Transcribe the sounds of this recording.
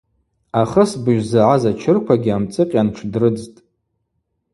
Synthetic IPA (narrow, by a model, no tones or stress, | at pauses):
aχəsbɨʒʷᶣzaʕazat͡ʃʰɪrkʷʰaɡʲiamt͡sʼɨqʲʼanʈ͡ʂʰdrɨd͡ztʼ